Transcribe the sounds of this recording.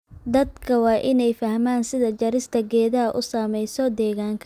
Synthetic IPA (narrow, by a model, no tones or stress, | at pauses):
d̪ɐd̪kʰɐwɑːʔɪnɛjfɐhmaːnsɪðɐd͡ʒɐɾɪst̪ʰɐɡɛːðɐɦɐʔʊsaːmɛjsɔd̪ɛːɣaːŋkʰɐ